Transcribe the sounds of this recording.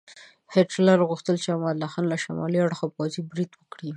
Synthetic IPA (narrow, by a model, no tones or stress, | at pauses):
heʈlaɾɣuxt̪əlt͡ʃeamɑd̪laxɑnlaʃamɑ̰liaɽxapɑzibɾid̪wəkɽi